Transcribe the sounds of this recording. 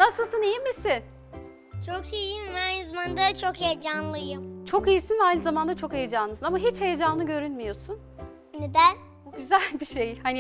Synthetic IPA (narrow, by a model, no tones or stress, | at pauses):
nasɯlˠsɯnijimːisɪn | t͡ʃʰokʰijimvɛajnɯzamand̪at͡ʃʰokhejd͡ʒanlˠɯjɯmt͡ʃʰo̞kijisɯnvajnɯzamand̪at͡ʃʰo̞kejed͡ʒanˠɯsɯnamaɦit͡ʃhejed͡ʒaːɯɟø̞ɾynmijo̞sun | ned̪æn | buɟyzælʲbiʃe̞jhani